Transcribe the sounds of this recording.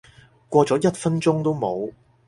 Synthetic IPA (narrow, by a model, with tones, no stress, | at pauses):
kʷɔː˧t͡sɔː˨˥jɐ˥t̚fɐ˥nt͡ʃʊ˥ŋt̪o˥wmo˨˧w